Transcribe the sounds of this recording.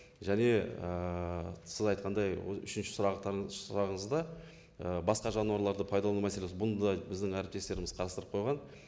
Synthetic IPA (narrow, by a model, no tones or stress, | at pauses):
ʒæne̞ə | sɪzɑjt̪̚qɑnd̪ɑj̰ʏ̰ʃɪnʃɪ̥sʊɾɑsʊɾɑʁəɴəzd̪ɑ | əbɑsqɑʒɑnuɑɾlˠɑɾd̪əpʰɑjd̪ɑlˠɑnumæsele̞sbʊnd̪d̪ɑbɪzd̪ɪŋæɾɪpt̪e̞st̪e̞ɾɪmɪz̥qʰɑɾɑst̪əɾəp̚qʰojʁɑn